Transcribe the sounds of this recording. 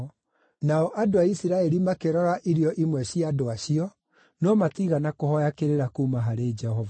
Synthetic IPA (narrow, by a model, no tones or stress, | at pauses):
naɔʔadoaisiɾaɛɾimakeɾɔɾaʔiɾjɔʔimwɛɕiadoaɕiɔ | nɔmatiɣanakohɔjakeɾeɾakuːmaɦaɾed͡ʒɛhɔva